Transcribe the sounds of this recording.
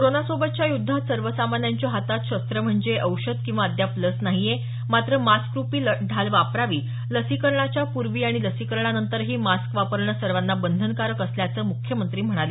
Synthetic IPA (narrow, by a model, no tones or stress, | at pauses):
koɾonasobət̪̚t͡ɕjajud̪ʱːat̪səɾʋəsamanjaɲt͡ɕjaɦat̪at̪ɕəst̪ɾəm̤əɳd͡zeʔəwɕəd̪kĩw̃ʋaəd̪japləsnaɦije | mat̪ɾəmaskɾupiːləɖʱalʋapɾaʋiː | ləsikəɾɳat͡ɕjapuɾʋiːaɽ̃iləsikəɾɳanənt̪əɾɦiːmaskʋapəɾɳəsəɾʋanːabənd̪ʱənkaɾəkəsljat͡səːmukʰjəmənt̪ɾiːm̤əɽ̃ale